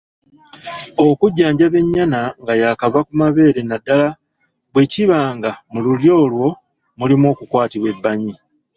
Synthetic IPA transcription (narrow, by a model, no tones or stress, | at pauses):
o̞kuɟːaːɲɟaβe̞ɲːanaŋɡajaːkaβakumaβe̞ːɾe̞nadːala | βwe̞ciβaːŋɡamululjo̞ːlwo̞ | mulimo̞ːkukwaːtiβwe̞bːaɲi